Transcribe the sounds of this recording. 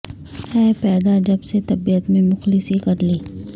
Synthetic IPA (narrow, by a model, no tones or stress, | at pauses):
hɛːpɛːd̪ad͡ʒɐbset̪ɐbijət̪mẽmʊxlɪsikɐɾliː